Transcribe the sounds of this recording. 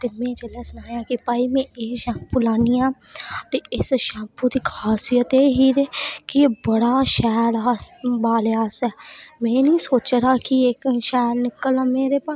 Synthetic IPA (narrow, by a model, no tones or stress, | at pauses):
t̪eːmɛ̃ːt͡ʃəlɛːsənaːjãːkipaːiːmɛ̃ːʔeːʃãːpulaːniːãːt̪eːɪsʃãːpuːd̪iːkʰaːsijət̪eːɦiːɾeːkɪeːbəɽaːʃɛːɾaːsbaːleaːsɛːmɛ̃ːnĩːsoːt͡ʃɾaːkiekʃɛːɾnɪkːəlãːmeːɾeːpaː